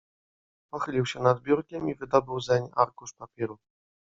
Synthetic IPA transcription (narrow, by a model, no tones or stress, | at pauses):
pɔxɘlʲiwɕɛnad̪bʲjuɾkʲɛmivɘd̪ɔbɘwzɛɲaɾkuʂpapʲɛɾu